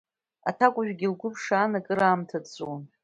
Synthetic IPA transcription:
a̰tʰakʷʼʊʒᶣɡʲilɡʷʊpʰʂaːnakʼɨɾaːmtʰat͡sʼun

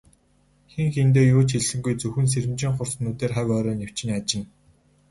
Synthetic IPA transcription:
xeŋxent̪̬eːjoːt͡ɕʰxiɮsɘ̆ŋɡujt͡sɵxɘ̆ns̬eɾɘ̆mt͡ɕĭŋχʊrsnuːt̪eːrχæwʲɔːɾɔːnew̥t͡ɕɪ̆ŋat͡ɕɪ̆n

